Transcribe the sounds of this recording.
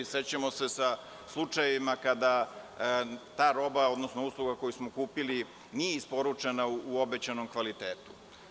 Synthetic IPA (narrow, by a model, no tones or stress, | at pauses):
set͡ɕamose̞sa | slˠut͡ʂajeʋimakad̪a | t̪aːɾo̞bao̞d̪nosno̞uslˠuɡako̞jusmokuːpili | nijeispo̞ɾut͡ʂenauːo̞be̞t͡ɕano̞mkʋalit̪e̞ːt̪u̥